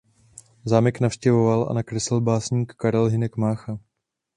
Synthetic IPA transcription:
zaːmɪknafʃcɛvo̞valʔa̰nakɾɛsɪlbaːsɲiːkːaɾɛlɦɪnɛkmaːxa

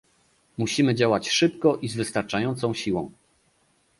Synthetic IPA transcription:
muɕimɘd͡ʑawat͡ɕʂɘpkɔʔizvɘst̪aɾt͡ʂajɔnt̪sɔ̃w̃ɕiwɔ̰̃w̃

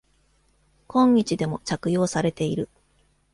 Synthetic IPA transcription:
kõ̞ɲ̟ːit͡ɕid̪e̞mo̞t͡ɕakɯ̟jo̞ːsaɾe̞t̪e̞iɾɯ̟

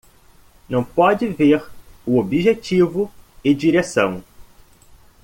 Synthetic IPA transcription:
nɐ̃w̃pɔd͡ʒɪveɾʊobiʒet͡ʃivʊɪd͡ʒiɾesɐ̃w̃

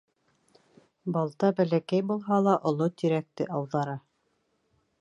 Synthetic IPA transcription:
bɑlˠt̪ɑbælækæjbulˠɦɑlˠɑʔŏlˠot̪iɾæk̚t̪ɘ̰ʔɑwðɑɾɤ

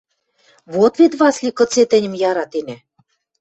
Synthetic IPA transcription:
βot̪βet̪βɑslʲikɤ̆t͡set̪ɘ̆nʲɘ̆mjɑɾɑt̪enæ̆

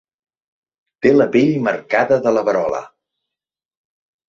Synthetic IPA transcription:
t̪eləpiʎməɾkaðəðələβəɾɔlə̰

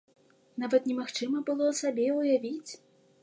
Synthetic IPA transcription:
navɐt̪nʲɛmaxt͡ʂɨmɐbɨlˠɔsabʲɛujavʲit͡sʲ

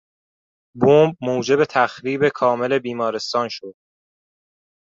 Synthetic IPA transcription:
boːmb̚moːd͡ʒe̞be̞t̪ʰæxɾiːbe̞kʰɒːme̞le̞biːmɒːɾe̞st̪ɒːnʃod̪̥̚

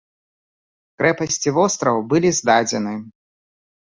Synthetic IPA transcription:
kɾɛpɐsʲt͡sʲivɔst̪ɾɐwbɨlʲizd̪ad͡zʲɛnɨ

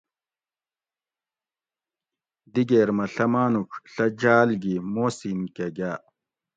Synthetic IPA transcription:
d̪iɡeːɾmɐɬɐmaːnukɬɐd͡ʑaːlɡimoːsiːnkeɡaː

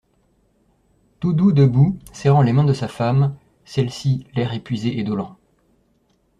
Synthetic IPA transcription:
t̪ud̪ud̪əbusɛʁɑ̃lemɛ̃d̪əsafam | sɛlsilɛʁepɥizeʔed̪ɔlɑ̃

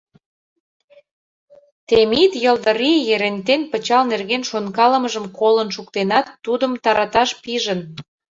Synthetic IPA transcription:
t̪emit̪jəld̪əɾijeɾent̪enpət͡ɕɑlnerɣenʃonkɑlə̆məʒəmkolənʃukt̪enɑt̪ːud̪əmt̪ɑɾɑt̪ɑʃpiʒə̆n

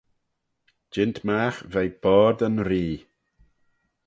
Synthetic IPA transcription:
d͡ʒɪntʰmaːxvɛjb̥ɔːɾd̪ənɾiː

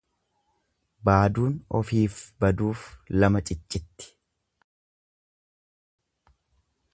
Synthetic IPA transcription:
baːd̪uːnɔ̰fiːfbɐd̪uːflɐmɐt͡ʃʼɪt͡ʃʼːɪt̪ːɪ̥

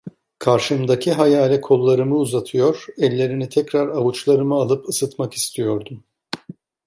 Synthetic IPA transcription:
kʰaɾʃɯmd̪acʰiɦajaːlʲɛkʰo̞lˠːaɾɯmɯuzat̪ʰɯjo̞ɾ̥ɛlʲːe̞ɾinit̪ʰɛcɾaɾavut͡ʃlˠaɾɯmɯalˠɯpɯsɯt̪maki̥st̪ʰijo̞ɾd̪um

